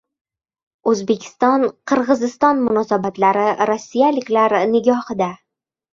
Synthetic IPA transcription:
ɵzbe̞kʲʰɪ̥st̪ɒnqʰɨɾʁɨzɪst̪ɒnmʊnɒsabat̪laɾɪɾɒsːijalɪkʲlaɾnɪɡʲɒhɨd̪a

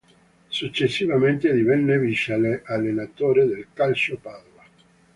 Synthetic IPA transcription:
sut͡ʃːesːivament̪ed̪ivɛnːeviʃaleʔalːenat̪oːɾed̪elkalt͡ʃopaːd̪ova

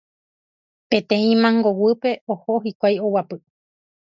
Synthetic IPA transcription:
pẽt̪ẽĩmãŋɡowɨpe̞ohoɦikʷajowapɨ

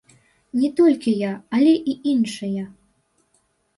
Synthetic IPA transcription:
nʲɛt̪ɔlʲkʲijaɐlʲɛʔiʔinʂɨjɐ

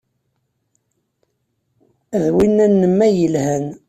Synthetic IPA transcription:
ðwinːænːəmːæjəlhæn

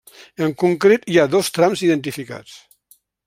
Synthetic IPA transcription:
əŋkuŋkɾet̪iaðɔst̪ɾamziðənt̪ifika̰t͡s

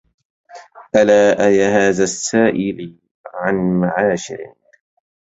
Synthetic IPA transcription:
ʔalaːʔajahaːðasːaːʔɪl | ʕanmaʕaːʃɪ̰ɾɪ̰

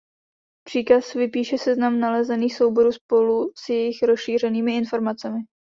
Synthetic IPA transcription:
pr̥iːkasvɪpiːʃɛsɛznamnalɛzɛniːxso̞wbo̞ɾuːspo̞lusjɛjɪxɾosʃiːr̝ɛniːmɪɪnfo̞ɾmat͡sɛmɪ

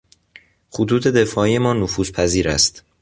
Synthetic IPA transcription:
xot̪ʰuːt̪ʰe̞d̪e̞fɒːijemɒːnofuːzpʰæziːɾæ̰st̪

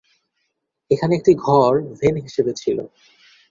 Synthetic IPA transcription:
ekʰaneek̚ʈiɡʱɔɾbʱenɦiʃebet͡ɕʰilo̰

